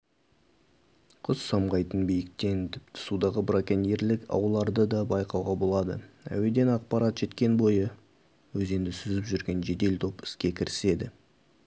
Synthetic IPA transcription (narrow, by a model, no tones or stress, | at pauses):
qʰʊzsɑmʁɑjt̪ənbijɪkt̪e̞nt̪ʰɪpt̪ɪ̥sud̪ɑʁəbɾakʲeneɾlɪkɑ̰wəlˠɑɾd̪əd̪ɑbɑjqɑwʁɑbo̞lˠɑd̪ə̰æ̰we̞d̪e̞nɑq̚pɑɾat̪ʒ̥e̞t̪kʲe̞nbo̞jə | wɵze̞nd̪ɪsʏzɪpʒʏɾɡʲe̞nʒe̞d̪e̞lt̪ʰo̞pɪ̥skʲe̞kʲʰɪɾɪ̥se̞d̪ɪ